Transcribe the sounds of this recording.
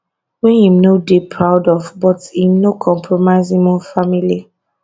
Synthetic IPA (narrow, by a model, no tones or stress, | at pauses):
wɛ̃nhĩmnodipʰɹaʊdɔvbɔtĩmnokʰɔ̃mpʰɹɔmaɪzĩmɔfamili